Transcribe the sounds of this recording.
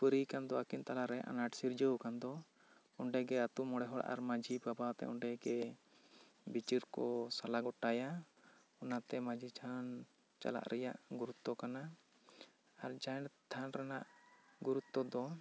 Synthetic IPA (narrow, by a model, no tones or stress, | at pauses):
pəɾikand̪ɔakint̪alaɾɛʔa̰naʈsiɾd͡ʒəwkand̪ɔ | ɔɳɖɛɡɛat̪umɔɽɛɦɔɽʔa̰ɾmad͡ʒibabat̪ɛ̰ʔɔɳɖɛɡɛ | bit͡ʃiɾkɔsalaɡɔʈaja | ɔnat̪ɛmad͡ʒʱit̪ʰan | t͡ʃa̰la̰ʔɾɛjaʔɡuɾut̪ːɔkana | aɾd͡ʒajnt̪ʰanɾɛnaʔɡuɾut̪ːɔd̪ɔ